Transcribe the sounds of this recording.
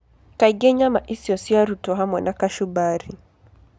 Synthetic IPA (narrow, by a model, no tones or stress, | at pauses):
kaiɡɛɲamaʔisiɔsiaɾutɔɦamwɛnʔakaʃubaɾi